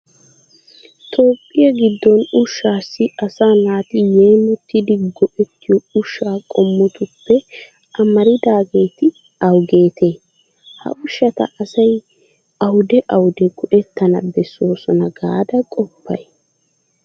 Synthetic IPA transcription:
t̪ʰo̞ːpʼːɪjɐɡɪd̪ːɔnʊʃːaːsːɪɐsaːnaːt̪ɪjeːmʊt̪ːɪd̪ɪɡɔʔɛt̪ːɪjɔʊʃːaːkʼɔmːɔt̪ʊpːɛ | ɐmɐɾɪd̪aːɡe̞ːt̪ɪ | ɐwɡe̞ːt̪ʰe̞ː | hɐ̰ʔʊʃːɐt̪ɐ̰ʔɐsɐj | ɐwʊd̪ɛʔɐwʊd̪ɛɡ̥ɔʔɛt̪ːɐnɐ̰bɛso̞ːsɔnɐɡaːd̪ɐkʼɔpːɐ̰j

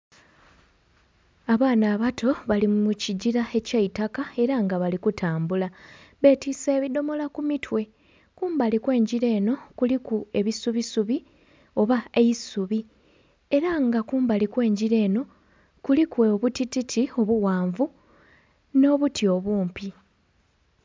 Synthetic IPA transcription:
aβaːnaːβatʰo̞βalimmuciɟiɾae̞caitakae̞ɾaŋɡaβalikutʰaːmbulaβe̞ːtise̞ːβido̞mo̞lakumitʰwe̞ | kuːmbalikwe̞ːɲɟiɾe̞ːno̞kulikue̞βisuβisuβi | o̞βae̞jisuβi | e̞ɾaŋɡakuːmbalikwe̞ːɲɟiɾe̞ːno̞ | kulikweβutititʰio̞βuwaːɱvu | no̞ːβutio̞βuːmpi

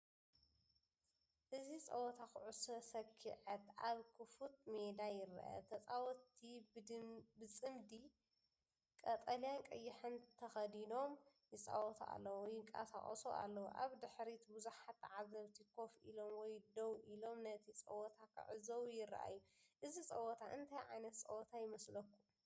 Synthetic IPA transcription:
ʔɨzit͡sʼɐwɔt̪ʰakʰɨʕusɐsɐkʰːiʕɐt̪ʔaβkʰɨfut̪̚med̪ajɪra̰ʔɐ̰t̪ʰɐt͡sʼawɔt̪ʰːi | bɨt͡sʼɨmd̪i | kʼɐt̪ʼɐljankʼɐjːɪħɨnt̪ʰɐxɐd̪ino̞mjɪt͡sʼa̰wɔt̪ʰʔa̰lːɐwojɪŋkʼa̰sa̰χʼɐsṵʔa̰lːɐwo̰ʔa̰βd̪ɨħɾit̪buzuħat̪ːʕazɐβt̪ʰikʰo̞fʔilo̞mwɔjd̪ɐwʔilo̞mnɐt̪ʰit͡sʼɐ̰wɔt̪ʰakʰa̰ʕɨzɐwjɪr̰ːʔa̰jːuʔɨzit͡sʼɐwɔt̪ʰaʔɨnt̪ʰajʕajnɐt̪t͡sʼɐ̰wɔt̪ʰajɪmɐslɐkʰːu

